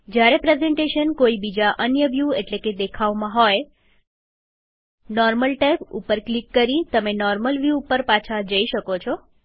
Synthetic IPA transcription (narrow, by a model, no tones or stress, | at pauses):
d͡ʒjaɾepɾezeɳʈeʃənkoibid͡ʒaʔənjəʋjueʈleked̪ekʰaʋmãɦɔj | nɔɾməlʈajpṵpːəɾklikːəɾit̪əmenɔɾməlʋjuːpəɾpat͡ʃʰad͡ʒəiʃəkot͡ʃʰɔ